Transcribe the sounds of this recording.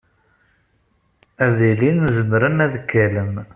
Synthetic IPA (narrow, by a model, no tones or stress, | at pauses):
æðilinzənɾənæðəkːæləm